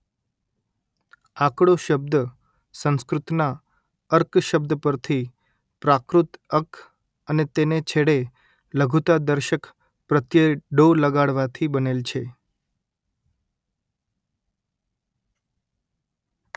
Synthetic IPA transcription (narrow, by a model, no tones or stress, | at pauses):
ãkɽoʃəb̚d̪ə | sə̃ñskɾut̪na | əɾkʃəbd̪əpəɾt̪ʰi | pɾakɾut̪əkʰ | ənet̪enet͡ʃʰeɽe | ləɡʱut̪ad̪əɾʃək | pɾət̪jəɖoləɡaɽʋat̪ʰibənelt͡ʃʰe